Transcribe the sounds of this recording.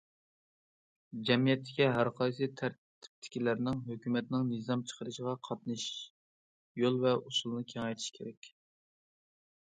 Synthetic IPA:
d͡ʒɛmijɛt̪ːɪ̥kʲiɦæɾqʰɑjsɨt̪ʰæɾ | t̪ʰɪ̥p̚t̪ʰːɪ̥kʲilæɾnɪŋɦøkʲymɛt̪nɪŋnɨzɑmt͡ʃʰə̥qʰəɾɨʃəʁɑqʰɑt̪nɨʃ | jolˠvɛusulˠnɨkʲʰeŋɛjt̪ʰi̥ʃkʲʰeɾɛkʲ

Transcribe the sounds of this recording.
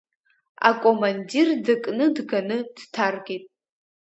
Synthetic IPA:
a̰kʼomandirdakʼnɨdɡanɨd̥tʰarɡʲitʼ

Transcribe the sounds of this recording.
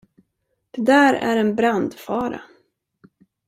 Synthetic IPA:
d̪̥ɛd̪æːɾæ̰ɾɛnbɾand̪fɑːɾa̰

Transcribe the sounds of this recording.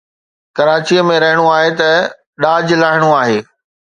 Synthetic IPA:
kɐɾaːt͡ɕiəmẽɾɐɦɪɽ̃uaːɦet̪ɐ | ɗaːd͡ʑlaːɦɪɽ̃uaːɦeː

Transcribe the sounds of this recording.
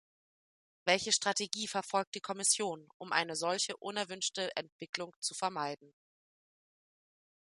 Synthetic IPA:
vɛlçəʃtʁ̥atʰeɡiːfɛɐfɔlk̚t̚d̥iːkʰɔmɪsjoːnʔʊmʔa̰ɪnəzɔlçəʔʊnɛɐvʏnʃtəʔɛ̰ntv̥ɪklʊŋt͡sufɛɐmaɪdn̩

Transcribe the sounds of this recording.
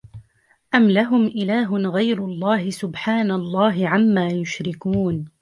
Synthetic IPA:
ʔamlaɦʊmʔɪlaːɦʊnɣajɾʊlˤːɑːhɪsʊbħaːnalˤːɑːɦɪʕamːaːjʊʃɾɪkuːn

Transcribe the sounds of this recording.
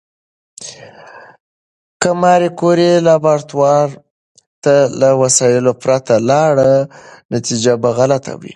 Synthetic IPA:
kəmɑɾekoɾelɑbaɾt̪wɑɾ | t̪alawasɑjɪlopɾat̪alɑɽənat̪id͡ʒabaɣalat̪ʰa̰wḭ

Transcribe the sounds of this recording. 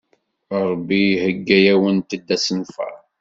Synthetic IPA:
ɾˤbːihəɡːæjæwənt̪əd̪ːæsənfæ̰

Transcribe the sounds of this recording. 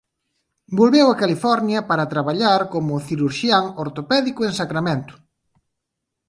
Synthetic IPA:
bolβewɐkalifɔɾnjɐpaɾɐt̪ɾaβaʎaɾkomʊθiɾuɾʃjaŋoɾt̪opɛðikʊeŋsakɾamẽnt̪ʊ̥

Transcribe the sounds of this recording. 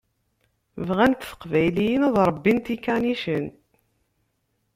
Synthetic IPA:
vʁænt̪θə̥qvæjlijənæðˤɾˤəbːint̪ikæniʃən

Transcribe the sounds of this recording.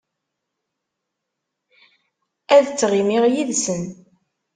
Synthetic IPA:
æðt͡sːʁimiʁjiðsən

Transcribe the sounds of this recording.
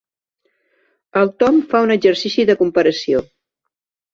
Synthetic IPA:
əlˠt̪ɔmfaunəɡʒəɾsisiðəkumpəɾəsio

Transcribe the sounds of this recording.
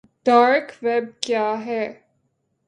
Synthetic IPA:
ɖ̥aːɾkʋɛb̚kjaːɦɛː

